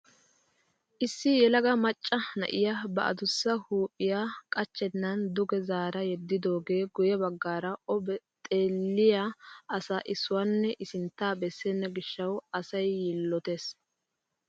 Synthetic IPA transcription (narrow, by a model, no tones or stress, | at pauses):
ʔɪsːɪjɛlɐɡɐmɐt͡ʃʼːɐnɐ̰ʔɪjabɐ̰ʔɐ̰d̪ʊsːɐhuːpʼɪjaːkʼɐt͡ʃːɛnːɐnd̪ʊɡɛzaːɾɐjɛd̪ːɪd̪o̞ːɡe̞ːɡʊjɐbɐɡːaːɾɐɔbɛt̪ʼe̞ːlːɪjaʔɐsaʔɪsːʊwanːɛʔɪsɪnt̪ːaːbɛsːɛnːɐɡɪʃːɐwɐsɐjːɪlːɔt̪eːs